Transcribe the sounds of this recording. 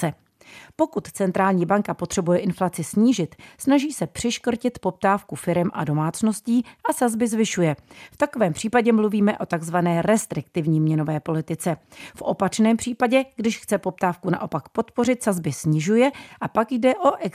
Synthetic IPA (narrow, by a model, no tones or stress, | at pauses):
ɛ | po̞kut̪t͡sɛnt̪ɾaːlɲiːbaŋkapo̞t̪r̝̥ɛbujɛʔɪnflat͡sɪsɲiːʒɪt̪snaʒiːsɛpr̥ɪʃkr̩cɪt̪po̞p̚t̪aːfkufɪɾɛmʔa̰do̞maːt͡sno̞sciːʔasazbɪzvɪʃujɛft̪ako̞vɛːmpr̥iːpaɟɛmluviːmɛʔo̞t̪aɡzvanɛːɾɛst̪ɾɪkt̪ɪvɲiːmɲɛno̞vɛːpo̞lɪt̪ɪt͡sɛ | fʔo̞pat͡ʃnɛːmpr̥iːpaɟɛɡdɪʃxt͡sɛpo̞p̚t̪aːfkuna̰ʔo̞pakpo̞t̪po̞r̝ɪt̪sazbɪsɲɪʒujɛʔapakjdɛʔo̞ʔɛk